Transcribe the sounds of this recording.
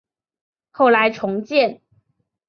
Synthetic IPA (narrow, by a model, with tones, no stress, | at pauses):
xo˥˩ʊla˧˥ɪʈ͡ʂʰʊ˧˥ŋt͡ɕjɛ˥˨n